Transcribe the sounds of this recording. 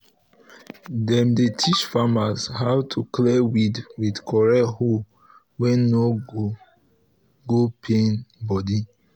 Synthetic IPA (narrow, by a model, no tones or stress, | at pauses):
dɛ̃mdetʰit͡ʃfamashawtʰuklɛwidwidkʰɔɹɛho | wɛ̃nːo | ɡopʰẽnbɔdi